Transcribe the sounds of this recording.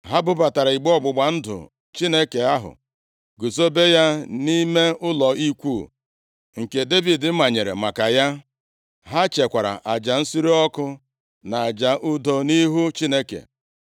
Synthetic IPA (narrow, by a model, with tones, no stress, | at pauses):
ɦa˦bʊ˦ba˨ta˨ɾa˨i˨ɡ͡bɔ˦ɡ͡bʊ˨ɡ͡ba˨n̩˦dʊ̰˨ | t͡ʃi˦ne˦ke˨a˦ɦʊ̰˨ | ɡʊ˨so˦be˦ja˦ni˦me˦ʊ˦lɔ˨i˦kʷu˦˨ | ŋ̩˨ke˨de˦bi˨dɪ˨m̩˦ma˨ɲe˨ɾḛ˨ma˨ka˨ja˦ | ɦa˦t͡ʃe˨kʷa˨ɾa̰˨ʔa˨d͡ʒa˨n̩˦si˦ɾi˦ɔ˦kʊ˦ | na˨a˨d͡ʒa˨ʔʊ˦do˦ni˦ɦu˦t͡ʃi˦ne˦kḛ˨